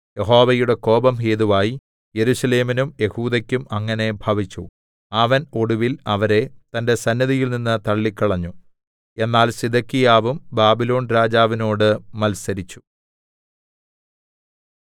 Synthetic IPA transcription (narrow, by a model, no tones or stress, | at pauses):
je̞ɦo̞ːʋɐjuɽe̞ko̞ːbɐmɦeːðuʋaːji | jeɾusɐle̞ːminumje̞huːd̪ɐkʲːumɐŋːɐne̞bʱɐʋit͡ɕːu | ɐʋɐnoɽuʋilɐʋɐɾe̞t̪ɐnde̞sɐnːɐðijilninːɨt̪ɐɭːikːɐɭɐɲːu | e̞nːaːlsid̪ɐkːijaːʋumbaːbilo̞ːnɾaːd͡ʑaːʋino̞ːɽɨmɐlsɐɾit͡ɕːu̥